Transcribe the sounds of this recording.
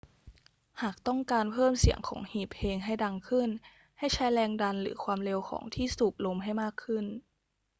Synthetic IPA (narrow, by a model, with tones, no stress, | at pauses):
haː˨˩k̚t̪ɔ˥˩ŋkaː˧npʰɤː˥˩msi˨˩˦əŋkʰɔ̰ː˩˦ŋhiː˨˩p̚ʔeː˧ŋɦa˥˩jda˧ŋkʰɯ˥˩n | ha˥˩jt͡ɕʰa˦˥jlɛː˧ŋda˧nlɯ̰ː˩˦kʰwaː˧mle˧wkʰɔ̰ː˩˦ŋt̪ʰiː˥˩suː˨˩p̚lo˧mɦa˥˩jmaː˥˩kʰːɯ˥˩n